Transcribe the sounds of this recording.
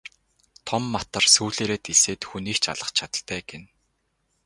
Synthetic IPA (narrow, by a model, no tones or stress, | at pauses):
t̪ʰɔmːat̪ə̆rsuːɮeːɾeːt̪iseːt̪xuniːkt͡ɕʰa̰ɮə̆χt͡ɕʰat̪ə̆ɬt̪æːɡen